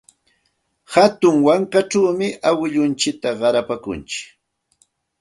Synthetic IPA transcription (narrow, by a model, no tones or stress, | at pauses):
hat̪ʊŋwaɴkaʈ͡ʂawmɪʔawɪʎʊnt͡ʃɪk̚t̪aɢɑɾapakʊ̰nt͡ʃɪ̥k